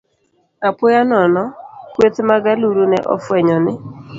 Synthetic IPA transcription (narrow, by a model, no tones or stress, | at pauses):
apʊjanɔnɔkwet̪maɡaluɾunɛ̰ʔɔ̰fwɛɲɔnɪ